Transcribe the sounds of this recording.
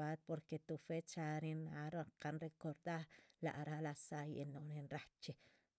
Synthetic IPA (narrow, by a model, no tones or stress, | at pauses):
at̪̚poɾket̪ufet͡ʃaɾinaɾaɴqanɾekoɾd̪aɾla̰ʔɾalasajʔenoɾinɾaht͡ʃe